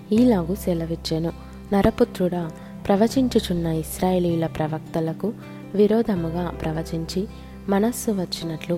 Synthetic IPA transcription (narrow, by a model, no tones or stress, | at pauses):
iːlaːɡusɛlɐʋit͡ʃːenu | nɐɾɐput̪ɾuɽaː | pɾɐʋɐt͡ʃiɲt͡ʃit͡ʃunːɐisɾaːjeːliːjlɐpɾɐʋɐk̚t̪ɐlɐku | ʋiɾɔːd̪ʱɐmuɡaːpɾɐʋɐt͡ʃiɲt͡ʃi | mɐnɐsːuʋɐt͡ʃːinɐʈlu